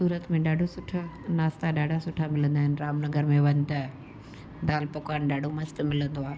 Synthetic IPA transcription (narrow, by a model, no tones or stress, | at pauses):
suːɾət̪mẽɗaːɖʱosʊʈʰə | naːst̪aɗaːɖʱasʊʈʰamɪlə̃nd̪aːɦɪnɪɾaːmnɐɡəɾmẽʋɐ̃ɲ̆t̪ɐ | ɖaːlpokaːnɗaːɖʱomɐst̪̆mɪlə̃nd̪oaːe